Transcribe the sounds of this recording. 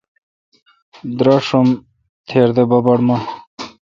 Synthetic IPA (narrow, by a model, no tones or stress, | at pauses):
d̪ɾɐʂum | t̪ʰeːɾd̪ebɐbɐɽma